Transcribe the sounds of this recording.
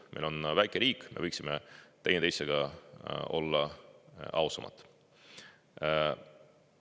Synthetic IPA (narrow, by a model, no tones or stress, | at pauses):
mʔḛlo̞nvæjkːˑeɾiːkˑmevɤjksimet̪e̞jnet̪ejseɡ̥ɑ | o̞̰lːɑ | ɑusɑmɑ̰t̪ːˑ